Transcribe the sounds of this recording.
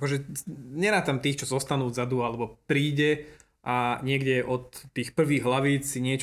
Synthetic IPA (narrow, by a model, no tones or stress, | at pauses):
akɔʒɛɲɛɾaːt̪amt̪iːxt͡ʃɔzɔst̪anuːzad̪ualɛbɔpɾiːɟɛ | ʔaɲɪɛɡɟɛʔɔt̪ːiːxpr̩ʋiːɣɦlaʋiːt͡ssiɲɪɛt͡ʃ